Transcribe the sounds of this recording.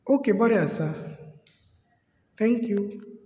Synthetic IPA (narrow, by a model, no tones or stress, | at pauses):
okebɔɾɪasa | t̪ɛ̃ŋ̩kju